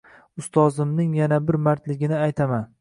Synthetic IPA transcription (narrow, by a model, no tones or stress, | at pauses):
ʊst̪ʰɒzɪmnɪŋjanabɪɾmaɾt̪lɪɡʲɪnɪajt̪ʰaman